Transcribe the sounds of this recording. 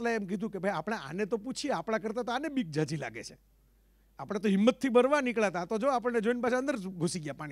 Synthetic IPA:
laeɛmk̬id̪ʱũkebʱajapəɽ̃aʔa̰net̪oput͡ʃʰiapɽ̃ãkəɾt̪at̪oanebik̚d͡ʒʱad͡ʒila̰ɡḛt͡ʃʰe̥ | apəɽ̃et̪oɦimːət̪ʰːibəɾʋanikɭat̪at̪od͡ʒoapəɳned͡ʒoinpat͡ʃʰaə̃nd̪əɾɡʱusiɡjapaɽ̃i

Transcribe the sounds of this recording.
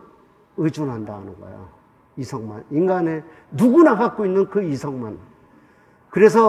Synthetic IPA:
ɯd͡ʑunɦandahanɯnɡʌ̰jo̰ | isʰʌŋma̰ninɡane̞ | nuɡunakak͈̚oinːɯnkɯisʰʌŋman | kɯɾe̞s̬ʰʌ

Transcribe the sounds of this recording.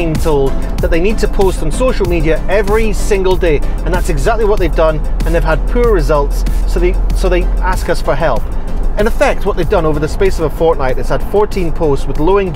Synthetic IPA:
ĩntʰolˠd̪̚ | ðəʔ̪̚ðeɪnid̚tʰəpʰostn̩soʃl̩ˠmiɾiɨʔɛvɹisɪ̃ŋɡəl̩ˠdeə̃nðatsɨɡzak̚tˡliwʌtʔ̚ðeɪvdʌ̃nə̃nðɪv̥əd̚pʰʉɹɹɪzʌlˠtsːoðeɪsoðeɪaskʌsfə˞ɦɛlˠp | ɨ̃nəfɛk̚t̚wʌʔ̪ðeɪvdʌ̃novə˞ðəspesəvəfɔɹʔⁿnaɪʔɨtshəd̥fɔɹtʰĩnpʰostswɨðlˠoɪ̃ŋ

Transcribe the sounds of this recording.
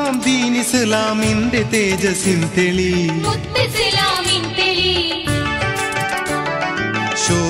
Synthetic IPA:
amd̪iːnisəlaːmind̪et̪eːd͡ʒɐsint̪eliut̪ːeselaːmint̪eli | ɕoː

